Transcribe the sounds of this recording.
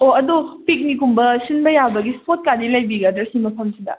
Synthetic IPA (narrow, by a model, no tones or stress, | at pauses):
oɐdupik̚nikumbɐsinbɐjabɐɡispʰot̚kadilajbiɡɐdɐɾsimɐpʰɐmsidɐ̰